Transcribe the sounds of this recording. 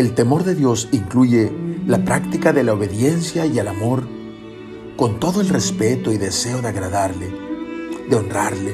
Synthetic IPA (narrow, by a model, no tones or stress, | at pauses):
e̞lt̪e̞mo̞ɾðe̞ðjo̞siŋkluʝe̞lapɾakt̪ikaðe̞laoβe̞ðje̞nsjajelamo̞ɾ | ko̞nt̪o̞ðo̞e̞lrespe̞t̪o̞iðe̞se̞o̞ðeaɣɾaðaɾle | ðeo̞nraɾle